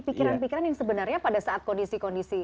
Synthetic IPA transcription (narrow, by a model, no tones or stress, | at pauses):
pikiɾanpikiɾanjaŋsəbənarɲapadasaat̪̚kɔndisikɔndisi